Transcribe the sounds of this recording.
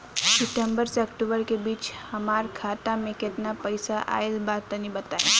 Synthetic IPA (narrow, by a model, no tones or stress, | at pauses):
sɪʈəmbəɾseəkʈubəɾkebiːt͡ʃhəmaɾkʰat̪amẽket̪napəjsaʔa̰elbad̪t̪ənibət̪aḛ